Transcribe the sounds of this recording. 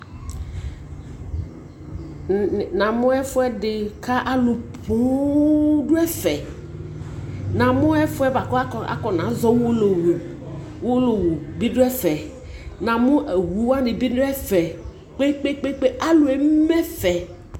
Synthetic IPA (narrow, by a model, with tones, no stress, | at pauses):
nã˨mʊ̃˦ɛ˦fʊ˦ɛ˦dɪ˨kʰa˦ʔa˦lʊ˨pʰu˨˦ | dʊ˦ɛ˦fɛ˨ | nã˨mʊ̃˦ɛ˦fʊ˦ɛ˦ba˨kɔ˦a˦˨a̰˨kɔ˨nã˨˦zɔ˦wo˦lo˨w | wo˦lo˨wu˨bi˦dʊ˦ɛ˦fɛ˨ | nã˨mʊ̃˦ʔɛ˨wu˨wa˦dɪ˨bi˦dʊ˦ɛ˦fɛ˨ | k͡pe˦k͡pe˦k͡pe˦k͡pe˦ʔa˦lʊ˨ɛ˨˦mɛ˦fɛ˨